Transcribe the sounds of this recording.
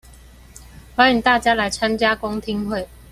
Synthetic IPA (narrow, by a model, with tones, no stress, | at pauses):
xwa˥ni˨˥ŋt̪a˥˩t͡ɕja˥la˨˦ɪt͡sʰa˥nt͡ɕja˥kʊ˥ŋt̪ʰi˥ŋhwe˥˨ɪ